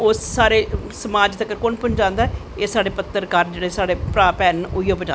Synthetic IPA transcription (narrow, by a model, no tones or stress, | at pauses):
oːssaːɾeːsəmaːd͡ʒt̪əkəɾkʊnpʊnd͡ʒãːnd̪aː | eːsaːɽeːpət̪ːəɾkaːɾnd͡ʒeːɽeːsaːɽeːpɾaːpɛːnʊjoːped͡ʒãː